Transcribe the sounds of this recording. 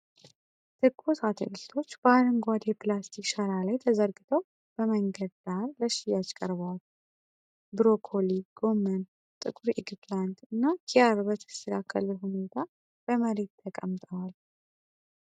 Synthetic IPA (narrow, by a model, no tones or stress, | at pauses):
t̪ʰɨkʼʰːosat̪ʰə̰lɨlt̪ʰo̞t͡ʃːbəaɾɨŋɡʷad̪jɛpʰlast̪ʰikʼʃəɾalajt̪ʰəzəɾɡɨt̪ʰəw | b̥əməŋɡəd̪d̪̥aɾləʃijat͡ʃkʼəɾβwal | bɨɾokʰoliɡ̥o̞mːən | t̪ʼɨkʼuɾḭɡpʰlant̪ɨnːakʰijaɾbət̪ʰə̥st̪əkʰakʰːə̰luhune̞t̪ʰa | b̥əməɾe̞t̪ʰːəkʼə̰mt̪ʼəwal